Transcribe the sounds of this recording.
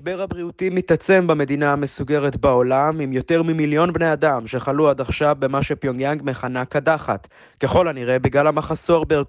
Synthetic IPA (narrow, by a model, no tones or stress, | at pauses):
ʃbeʁhabʁiutimit̪at͡se̞mbame̞d̪inaame̞suɡe̞ʁetbao̞lamimjo̞te̞ʁmimiljo̞nbne̞adamʃe̞χaluad̪aχʃavbe̞maʃepjoŋjaŋɡmeχanakadaχat | ke̞χo̞laniʁe̞biɡlalhamaχaso̞ʁbe